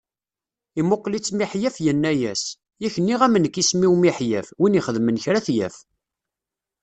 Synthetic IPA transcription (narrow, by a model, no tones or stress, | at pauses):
imoqːlit͡sːmiħjæfjənːæjæs | jæçənːiʁæmənəkːismiwmiħjæfwiniχəðmənçɾæθjæ̰f